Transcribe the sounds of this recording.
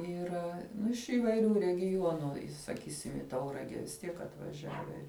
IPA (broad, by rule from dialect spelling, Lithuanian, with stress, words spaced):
iːˈrɐ ɪʃ iːʋɐɪˈrʲuː rʲɛɡʲɪˈjuɔnʊ sɐˈkʲiːsʲɪm iː ˈtɐʊrɐɡʲɛ ʋʲɪs ˈtʲiɛk ɐtʋɐˈʒʲæːʋʲɛ